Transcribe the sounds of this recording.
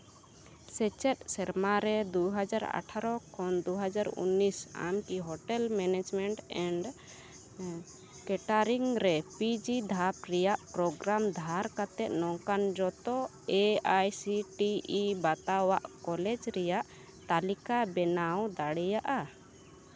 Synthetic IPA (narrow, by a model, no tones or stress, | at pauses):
sɛt͡ʃɛt̪̚sɛɾmaɾɛd̪uɦad͡ʒaɾa̰ʈʰaɾɔkʰɔnd̪uɦad͡ʒaɾṵnːisa̰mkiɦɔʈɛlmɛnɛd͡ʒmɛɳʈɛɳɖ | kɛʈaɾiŋɾɛpid͡ʒid̪ʱap̚ɾɛjaʔpɾɔɡɾamd̪ʱaɾkat̪ɛʔ̪̚nɔŋkand͡ʒɔt̪ɔ | eajsiʈiːbat̪awaʔkɔlɛd͡ʒɾɛjaʔ | t̪alikabɛnawd̪aɽɛjaʔa